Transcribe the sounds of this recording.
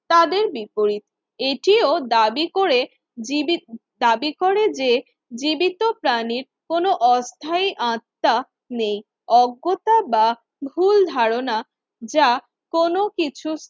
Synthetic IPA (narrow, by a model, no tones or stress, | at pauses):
t̪ad̪eɾbipoɾit̪ | eʈiod̪abikoɾe | d̪abikoɾed͡ʑe | d͡ʑibit̪opɾaniɾ | konoʔɔst̪ʰajʔãt̪ːa | nej | ɔɡːot̪aba | bʱuld̪ʱaɾona | d͡ʑa | konokit͡ɕʰus